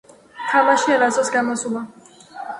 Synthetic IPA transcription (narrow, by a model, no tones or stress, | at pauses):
t̪ʰamaʃiɛlasɔsɡamɔsula